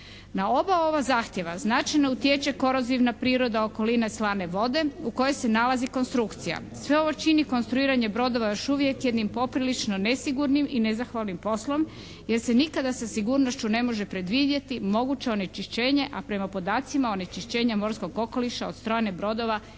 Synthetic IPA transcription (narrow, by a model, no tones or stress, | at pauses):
nao̞bao̞βazaːxt̪je̞ʋa̰znat͡ʃajnout̪jet͡ʃeko̞ɾoziʋnapɾiːɾo̞d̪ao̞ko̞lineslaːne̞ʋo̞d̪e̞uko̞jo̞jse̞nalaziko̞nst̪ɾukt̪sija̰ | sʋe̞o̞ʋo̞t͡ʃiniko̞nst̪ɾuiːɾaɲe̞bɾo̞d̪o̞ʋajo̞ʃuʋjekjed̪nimpo̞pɾilit͡ʃno̞ne̞siɡuɾnimine̞zaxʋaːlˠnimpo̞slo̞m | je̞ɾse̞nikad̪asasiɡuːɾno̞ʃt͡ɕune̞mo̞ʒepɾe̞d̪ʋid̪jet̪imo̞ɡut͡ɕe̞o̞ne̞t͡ʃiʃt͡ɕe̞ːɲe̞ʔapɾe̞mapo̞d̪aːt̪simao̞ne̞t͡ʃiʃt͡ɕe̞ːɲamo̞ɾsko̞ɡo̞ko̞liʃao̞t̪st̪ɾojne̞bɾo̞d̪o̞ʋa